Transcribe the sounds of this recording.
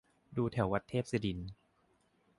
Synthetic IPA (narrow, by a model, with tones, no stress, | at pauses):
duː˧t̪ʰɛ˨˩˦wa˦˥t̪ʰːeː˥˩p̚si˧di˧n